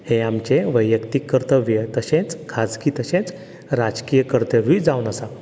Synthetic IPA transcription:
heamt͡ɕeʋəjjəkt̪ikːəɾt̪əʋjət̪əɕẽt͡skʰad͡zkiːt̪əɕẽt͡s | ɾad͡zkijəkəɾt̪əɾiːd͡zaunəsa

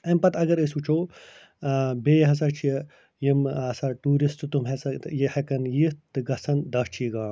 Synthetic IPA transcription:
ɐmpɐt̪ɐɡɐɾesut͡ʃʰoː | beːjɦɐs̬ɐːɾt͡ʃʰi | jimɐsaːʈuːɾist̪ɨt̪umɦesɐjehɐkɐnjit̪t̪ɨɡɐsɐnd̪ɐt͡ʃʰiːɡãː

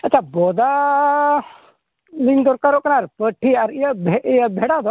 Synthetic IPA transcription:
əːt͡ʃʰaboːd̪a | liŋɡd̪ɔɾkaɾoknaɾpəʈʰːiaɾiəbʱeiəbʱeɽad̪o

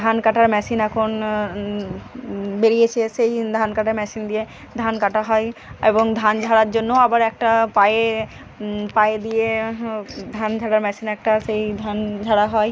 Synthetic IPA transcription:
d̪ʱankaʈaɾmɛsinɛkʰon | beɾijet͡ɕʰesejd̪ʱankaʈaɾmɛsind̪ije | d̪ʱankaʈaɦɔeḛboŋd̪ʱand͡ʑʱaɽaɾd͡ʑonːoabaɾɛk̚ʈapaje | pajed̪ije | d̪ʱand͡ʑʱaɽaɾmɛsinɛk̚ʈasejd̪ʱand͡ʑʱaɽaɦɔe

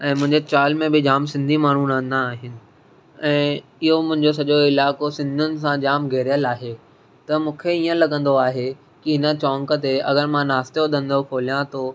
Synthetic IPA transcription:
ɛ̃ːmʊ̃ɦɪ̃ɲd͡ʑet͡ɕaːlmẽbɪd͡ʑaːmsɪ̃nd̪ʱimaːɳ̤ũnãːnd̪aːɦɪnɪ̆ | ɛ̃ːɪɦomʊ̃ɦɪ̃ɲd͡ʑos̬ɐʄoɪlaːkosɪ̃nd̪ʱʊnɪ̆s̬ãd͡ʑaːmɡʱeːɾijəlaːɦeː | t̪ɐmũːkʰeijə̃lɐɠə̃nd̪oaːɦe | kiɦɪnət͡ɕɔ̃ːŋkə̆t̪̬eɐɡəɾmãnaːst̪eoɗ̪ə̃nd̪ʱopʰoːlijãt̪oː

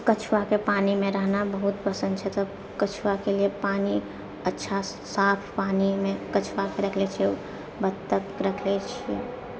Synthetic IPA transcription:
kət͡ʃʰwakepaːnimẽɾəɦnabəɦut̪pəsənd̪̚t͡ʃʰɛt̪ɔ | kət͡ʃʰwakeliepaːni | ətːʃʰasaːpʰpaːnimẽkət͡ʃʰwakeɾəkʰlet͡ʃʰ | bəd̪t̪əkɾəkʰlet͡ʃʰi

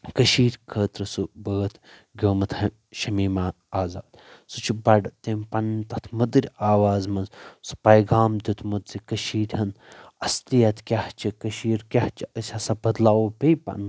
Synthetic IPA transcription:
kɐʃiːɾʲkʰəːt̪ɾɐsubəːt̪ | ɡʲoːmɐt̪ʰhɐ | ʃɐmiːmaː | aːzaːd̪sut͡ʃʰibɐɖɐt̪eːmpɐnt̪ɐt̪ʰmud̪ɾʲaːʋaːzmɐnzsu̥pɐjɡaːmd̪ʲut̪ʰmud̪ɾikɐʃiːɾʲɦɐn | ɐslijɐt̪ʰkʲaht͡ʃʰikɐʃiːɾkʲaht͡ʃʰiɐsʲɐsɐbɐd̪laːwopejpɐ̰n

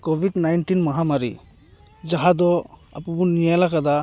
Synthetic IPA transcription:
kɔbʱidnajnʈinmaɦamaɾḭ | d͡ʒaɦad̪ɔa̰pubɔnijajlakad̪a

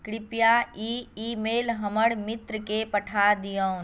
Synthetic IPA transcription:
kɽɪpjaiːiːmeːlɦɐməɽmɪt̪ɾəkepəʈʰad̪ijə

